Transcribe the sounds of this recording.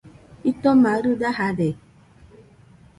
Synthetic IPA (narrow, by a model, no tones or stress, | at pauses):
itɔmaɾudaɦadɛ